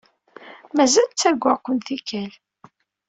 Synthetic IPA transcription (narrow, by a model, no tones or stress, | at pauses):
mæzælt͡sːæɡʷːakʷːənθikæl